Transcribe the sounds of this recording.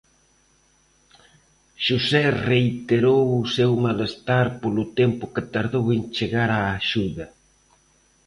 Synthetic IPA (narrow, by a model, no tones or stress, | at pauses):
ʃusɛreit̪eɾowusewmalest̪aɾpolʊt̪ɛmpʊket̪aɾðowent͡ʃeɣaɾaːʃuðɐ